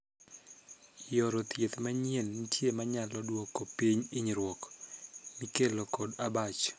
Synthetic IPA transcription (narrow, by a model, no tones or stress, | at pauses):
jɔɾɔt̪jet̪maɲɛlnitjemaɲalɔdwɔkːopiɲiɲiɾwɔk | mikelokɔdabat͡ʃ